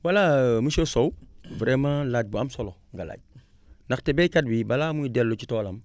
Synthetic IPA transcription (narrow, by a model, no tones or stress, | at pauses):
walamusosowvɾemalad͡ʒ̚buamsoloŋɡala̰ɟ̚ | naktebekad̚bibalamuidelot͡ʃitolam